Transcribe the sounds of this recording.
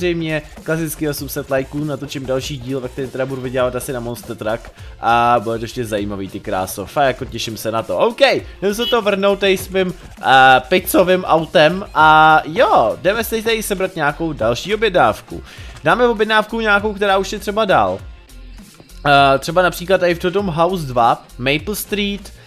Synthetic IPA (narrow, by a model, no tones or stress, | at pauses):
rɛjmɲɛ | klasɪt͡skɪo̞sumsɛt̪lajkuːnat̪ot͡ʃɪmdalʃiːɟiːlvɛk̚t̪ɛɾiːmt̪ɛdabuduvɪɟɛlaːvat̪asɪnamonst̪ɛt̪ɾak | ʔabudɛt̪oɛʃcɛzaiːmaviːt̪ɪkɾa̰ːsofajjakocɛʃɪmsɛnat̪oʔowkɛjnɛus̬ɛt̪ovr̩nowt̪aɪsmɪm | pɪt͡sovɪmʔawt̪ɛmʔajodɛmɛsɪt̪ɛt̪adɪsɛbɾat̪ɲaːko̞wdalʃiːo̞bjɛdnaːfkṵd̥aːmɛvobjɛdnaːfkuɲaːkowkt̪ɛɾaːuʃjɛt̪r̥ɛbada̰ːl | t̪r̥ɛbanapr̥iːklat̪ːaɪft̪ot̪omɦawsdvamɛjpl̩st̪ɾiːt̪